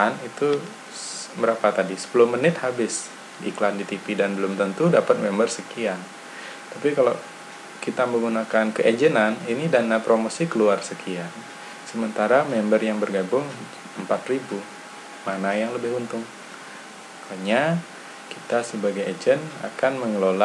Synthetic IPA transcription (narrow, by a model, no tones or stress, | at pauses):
anit̪u | məɾapat̪adisə̥pulʊhmənɪt̪habɪsː | klandit̪ipidanbəlʊmt̪ənt̪udapat̪̚mɛmbərsəkian | t̪apikala | kit̪aməŋɡunakankəʔed͡ʒənaninidanapɾomosikəluarsəkʰian | səmənt̪aɾamɛmbərjaŋbərɡabʊŋ | əmpat̪ribu | manajaŋləbɪɦunt̪ʊŋ | kaɲa | kit̪asəbaɡajed͡ʒəna̰kanməŋəlola